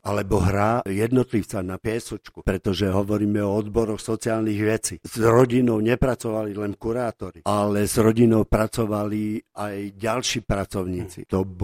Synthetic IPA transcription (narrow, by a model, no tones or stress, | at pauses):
alɛbɔɦɾajɛd̪nɔt̪liʊt͡sanapɪɛsɔt͡ʃkupɾɛt̪ɔʒɛɦɔʋɔɾiːmɛɔɔd̪bɔɾɔxsɔt͡siaːlniɣʋɛt͡siːzɾɔɟinɔʊɲɛpɾat͡sɔʋalilɛnkuɾaːt̪ɔɾialɛzɾɔɟinɔʊpɾat͡sɔʋaliajɟalʃiːpɾat͡sɔʊɲiːt͡sḭt̪ɔb